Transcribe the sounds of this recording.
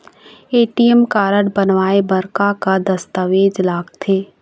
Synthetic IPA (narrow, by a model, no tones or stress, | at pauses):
eːʈijɛmkaːɾəɽbənʋaːebɐɾkakad̪ɐst̪əʋeːd͡ʒlaːɡt̪ʰeː